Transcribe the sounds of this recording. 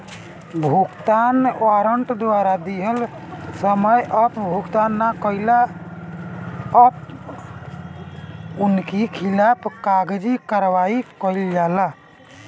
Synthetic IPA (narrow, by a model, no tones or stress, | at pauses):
bʱukt̪anwaɾəɳʈd̪waɾad̪iɦəl | səməjʔəpbʱukt̪anːakəjla | əp | unkikʰilapkaɡd͡ʒikəɾʋaikəild͡ʒala